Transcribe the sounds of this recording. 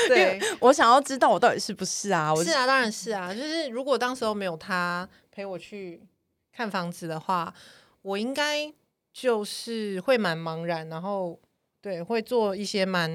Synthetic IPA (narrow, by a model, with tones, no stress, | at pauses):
we˥wɔ˧˦ɕjɑ˨˩ŋjɑ˥˩ʊʈ͡ʂɻ̩˥t̪̬ɑ˥˩ʊwɔ˨˩t̪ɑ˥˩t̪i˨˩ʂɻ̩˥˩pu˧˩˦ʂɻ̩˥˩a˩wɔ˨˩ʂɻ̩˥˩a˨˩t̪ɑ˥ŋɻa˨˦nʂɻ̩˥˩a˩t͡ɕjo˥˧ʊʂɻ̩˥˩ɻu˧˥kwɔ˨˩t̪ɑ˥ŋʂ̩˧˥xo˧˥ʊme˧˥ɪjo˨˩ʊt̪ʰa˥ | pʰe˧˥ɪwɔ˨˩t͡ɕʰy˥˩ | kʰa˥˩nfɑ˧˥ŋd͡zɹ̩˨d̪ə˩xwa˥˩ | wɔ˨˩i˦˥ŋka˥ɪ | t͡ɕjo˥˧ʊʂɻ̩˥˩xwe˥˩ɪma˧˥nmɑ˧˥ŋɻa˨˦nna˧˥nxo˥˧ʊ | t̪we˥˩ɪxwe˥˧ɪt͡swɔ˥˧i˥˩ɕjɛ˥ma˧˦n